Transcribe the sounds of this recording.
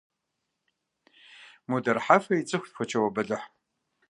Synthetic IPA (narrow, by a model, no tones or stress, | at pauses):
mudɐrħafɐit͡sʼɨxʷtxʷɔt͡ʃʰɐwɐbɐɮɨħ